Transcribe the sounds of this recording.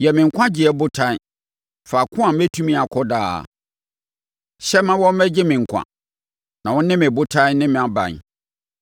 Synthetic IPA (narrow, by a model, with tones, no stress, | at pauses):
jɛ˨mɪ̃˨ŋ̩˨kʷʰã˦d͡ʑɪ˨ɛ˨bʊ˦tʰa˦ | fa˨kʰʊ̃˦a˨m̩˦ɛ˦tʰũ˦mĩ˦a˨kʰɔ˦da̰˦˨ | ɕɛ˦mã˦wɔ̃˦m̩˦mɛ˦d͡ʑɪ˦mɪ̃˨ŋ̩˨kʷʰã̰˨ | nã˨wɔ̃˦nɪ̃˦mɪ̃˨bʊ˦tʰã˦nɪ̃˦mɪ̃˨a˨bã̰˨n˨